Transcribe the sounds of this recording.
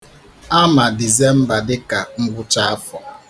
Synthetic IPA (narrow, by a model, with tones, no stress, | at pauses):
a˦ma˨di˨ze˦m̩˦ba˨dɪ˦ka˨ŋ̩˦ɡʷʊ˦t͡ʃa˦a˦fɔ˨